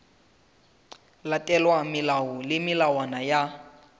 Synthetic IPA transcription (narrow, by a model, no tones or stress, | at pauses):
latʼɛlwamilawɔlɪmilawanaja